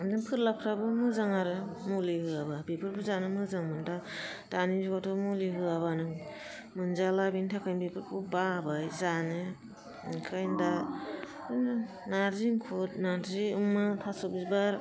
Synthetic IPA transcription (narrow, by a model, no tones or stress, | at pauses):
dɯŋpʰɯɾlapʰɾabɯmɯzaŋaɾɯmulihɯababepʰɯɾpʰuzanɯmɯzaŋmɯnda | d̥anizuɡatʰomuliɦɯaβanɯŋ | mɯnzalabintʰakʰajnbepʰɯɾpʰubabajzanɯ | ŋkʰajnda | ɯnɯ | naɾziŋkʰut̚naɾziɯmːatʰasɔbizbaɾ